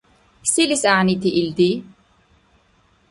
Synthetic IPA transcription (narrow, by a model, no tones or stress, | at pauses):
silisaːnit̪ʰiʔːld̪i